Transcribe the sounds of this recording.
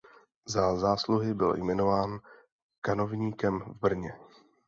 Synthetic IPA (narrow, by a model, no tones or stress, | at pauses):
zazaːsluɦɪbɪ̰ljmɛno̞vaːn | kano̞vɲiːkɛmvbr̩ɲɛ